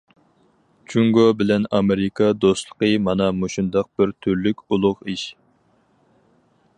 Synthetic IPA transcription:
t͡ʃʰuŋɡobɪlɛnɑmeɾɪkʰɑd̪ost̪lˠə̥qəmɑnɑmoʃund̪ɑq̚b̥ɪɾt̪ʰyɾlykʲulˠʊʁiʃ

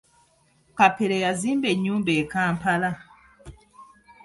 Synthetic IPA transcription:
kapeɾejazĩmbeɲũbɛkãːm̩pala

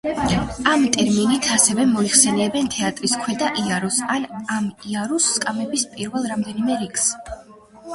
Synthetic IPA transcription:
amt̪ʼɛɾminit̪ʰasɛvɛmɔiχsɛnɛbɛnt̪ʰɛat̪ʼɾiskʰwɛd̪aʔiaɾɔsanamiaɾusːkʼamɛbispʼiɾvɛlˠɾamd̪ɛnimɛɾikʰs

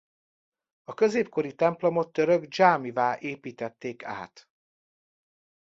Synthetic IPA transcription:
ɒkø̞zeːpko̞ɾit̪ɛmplo̞mo̞t̪ːøɾøɡd͡ʒaːmivaːʔeːpiːt̪ɛt̪ːeːkʰa̰ːt̪

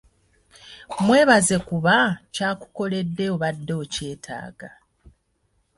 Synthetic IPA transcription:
mwe̞ːβaze̞kuβacaːku̥ko̞le̞dːe̞oβadːo̞ːce̞ːtʰa̰ːɡ̥a

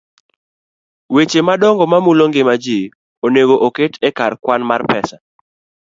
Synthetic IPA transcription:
wet͡ʃemadɔŋɡɔmamuloŋɡɪmad͡ʒi | oneɡoʔoketʰɛkarkwanmarpɛsa

